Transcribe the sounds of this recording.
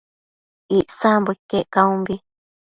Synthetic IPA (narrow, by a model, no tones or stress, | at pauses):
iʔsãmbɨkeʔkaũmbi